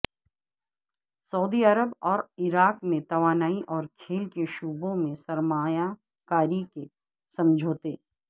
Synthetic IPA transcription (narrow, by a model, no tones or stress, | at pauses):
sɐuːd̪iɐɾəbɔːɾɪɾaːkmẽt̪ɐʋaːnaːiʔɔːɾkʰeːlkeʃuːbõmẽsɐɾmaːja | kaːɾike | sɐ̃md͡ʒʱoːt̪eː